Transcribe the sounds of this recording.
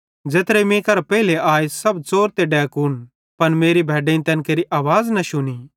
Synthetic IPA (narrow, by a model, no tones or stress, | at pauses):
d͡ʒeːt̪ɾemẽːkɐɾpɛːɪleaːesɐbt͡soːɾt̪eɖɛːkun | pɐnmeːɾibʱɛːɖeːĩt̪ɛ̃ːnkeːɾiʔaːʋaːznɐʃʊni